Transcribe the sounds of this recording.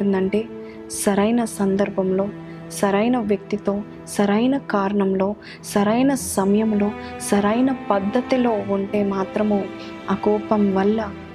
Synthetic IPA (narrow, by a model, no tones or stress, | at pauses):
ind̪ɐɳʈe̞ː | sɐɾɐjnɐsɐnd̪ɐɾbʱɐmlo̞ː | sɐɾɐjnɐʋjɐk̚t̪it̪o̞ː | sɐɾɐjnɐkaːɾɐɳɐmlo̞ː | sɐɾɐjnɐsɐmɐjɐmlo̞ːsɐɾɐjnɐpɐd̪ʱːɐt̪ilo̞ːuɳʈe̞ːmaːt̪ɾɐmoː | akɔːpɐmʋɐlːɐ